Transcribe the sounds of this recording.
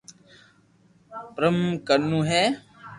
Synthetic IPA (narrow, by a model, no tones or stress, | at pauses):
pɾəmkəɾnũːɦɛː